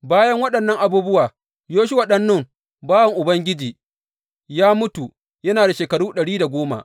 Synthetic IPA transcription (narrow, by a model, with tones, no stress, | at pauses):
baː˦jɐ˦ŋwɐ˦ɗɐ˨nːɐ˦ŋʔa˨buː˦bʊ˦waː˨ | joː˦ʃʊ˦wa˨ɗɐ˦nːʊ˦˨m | baː˦wɐ˨ŋʔʊ˨bɐ˦ŋɡʲɪ˦d͡ʒiː˨ | jaː˦mʊ˦tu˨ | jɐ˦naː˨da˨ʃeː˨kɐ˨ɽuː˦ɗɐ˨ɽiː˦da˨ɡʷoː˦ma̰˨